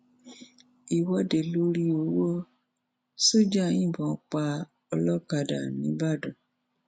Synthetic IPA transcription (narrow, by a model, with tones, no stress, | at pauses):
i˨wɔ˧de˨lo˧˦ɾi˧˦o˧wo˦ | so˦˨d͡ʒa˦˨˦ĩ˦˨bɔ̃˨˧˨k͡pa˧ | ɔ˧lɔ˦ka˧˨da̰˨nĩ˦ba˦˨dɔ̃˨